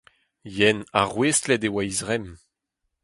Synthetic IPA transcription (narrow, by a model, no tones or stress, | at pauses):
jɛna̰ʁwestlɛd̪ewajzʁɛm